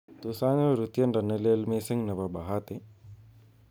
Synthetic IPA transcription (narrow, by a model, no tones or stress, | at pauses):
t̪usaːnjoɾut̪jɐnɖɐnːeleːlmeːsɐŋnɐʋɐbɐɦaːt̪e